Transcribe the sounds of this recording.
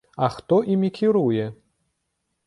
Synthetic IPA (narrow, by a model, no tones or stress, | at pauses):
ɐxt̪ɔʔimʲikʲiɾujɛ